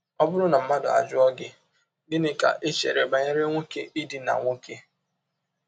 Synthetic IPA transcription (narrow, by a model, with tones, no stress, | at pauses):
ɔ˦bʊ˦ɾʊ˦na˨m̩˦ma˦dʊ˨a̰˨d͡ʒʊ˦ɔ˦ɡɪ˦ | dɪ˦nɪ˦ka̰˨ʔe˦t͡ʃḛ˨ɾe˨ba˨ɲe˦ɾɪ˦ŋʷo˦ke˦i˦di˨na̰˨ŋʷo˦ke˦